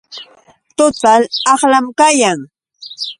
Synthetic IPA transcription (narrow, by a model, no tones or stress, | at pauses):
t̪ʊt̪alɑχlamkajaŋ